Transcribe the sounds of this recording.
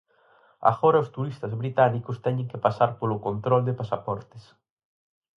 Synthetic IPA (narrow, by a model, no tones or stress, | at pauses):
a̰ɣɔɾɐʊst̪uɾist̪ɐzβɾit̪anikʊst̪ɛɲɪ̃ŋkepasaɾpolʊkont̪ɾɔld̪ɪpasapɔɾt̪es